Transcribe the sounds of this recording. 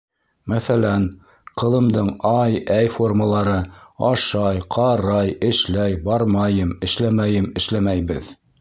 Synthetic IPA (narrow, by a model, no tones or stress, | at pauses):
mæθælæn | qɤ̆lˠɤ̆md̪ɤɴɑjæjfo̞rməlˠɑɾɤɑʃɑjqʰɑɾɑjɘ̆ʃlæjbɑɾmɑjɤmɘ̆ʃlæmæjɘmɘ̆ʃlæmæjbɘð